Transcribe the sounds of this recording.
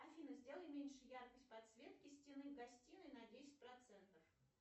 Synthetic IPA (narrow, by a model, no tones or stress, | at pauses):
ɐfʲinəzʲdʲe̞lˠəlʲɪmʲenʲʂɨjarkəsʲt̚ʲpɐt̪svʲe̞t̪kʲɪsʲtʲɪnɨvɡɐsʲtʲinɨnɐdʲesʲɪ̥t̚ʲpɾɐt̪sɛnt̪əf